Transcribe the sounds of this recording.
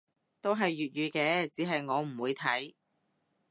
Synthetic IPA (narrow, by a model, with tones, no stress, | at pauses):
t̪o˥wɦɐ˨jːyː˨t̚jyː˨˧kɛː˧t͡siː˨˥ɦɐ˨jŋɔː˨˧m̩˨˩wuː˨˧jt̪ʰɐ˨˥j